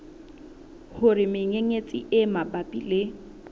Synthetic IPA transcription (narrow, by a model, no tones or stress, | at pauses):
hʊrɪmɪŋeŋet͡sʼɪ̰ʔɪmabapʼḭle